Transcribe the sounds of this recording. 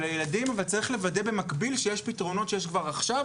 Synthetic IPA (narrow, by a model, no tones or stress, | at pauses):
lajeladimavalt͡saʁiχle̞vade̞be̞makbilʃejeʃpitʁo̞no̞tʃejeʃkvaʁaχʃav